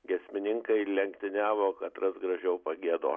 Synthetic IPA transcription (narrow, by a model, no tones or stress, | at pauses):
ɡʲɛsʲmʲɪnʲɪŋkɐɪlʲɛŋkt̪ʲɪnʲæːʋoːkɐt̪ɾɐsɡɾɐʒʲɛʊpɐɡʲiɛd̪o̰ː